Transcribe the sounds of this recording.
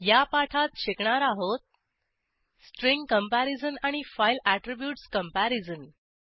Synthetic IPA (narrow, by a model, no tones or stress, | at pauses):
japaʈʰat̪ɕekɳaɾaɦot̪̚ | sʈɾiŋɡkəmpæɾizənaɽ̃ifajlæʈɾibjuːʈskəmpæɾid͡zən